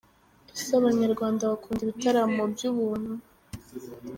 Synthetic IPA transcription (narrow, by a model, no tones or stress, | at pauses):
isaβaɲaɾɡwaːndaβakuːndiβitaɾamobjuβuːn̥hu